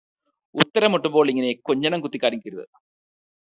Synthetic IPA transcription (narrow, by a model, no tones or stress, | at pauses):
ut̪ːɐɾɐmoʈːumbo̞ːɭiŋːɐne̞koɲːɐɳɐmkut̪ːikʲːaːɾiŋkʲːiɾuðɨ̰